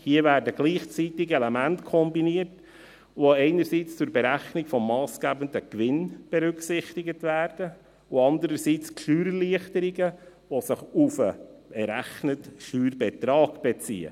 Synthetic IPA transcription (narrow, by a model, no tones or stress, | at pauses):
hiəvæːɾdəɡ̥liːχt͡sitɪɡɛlɛmæntkʰɔmbiniərt | ʋoɛɪnəɾsiːt͡st͡sʊɾbɛɾæχnikfɔmːɑːsɡ̥æːbəndəkʋɪnb̥ɛɾʏksɪχtiɡətvæːrd̥ə | ʊɑnd̪əɾəɾsiːt͡skʃyːɾliəχtəɾiɡə | ʋosɪχufəɛɾæχnətʃyːɾbɛtɾɑːɡb̥ɛt͡sḭːə̰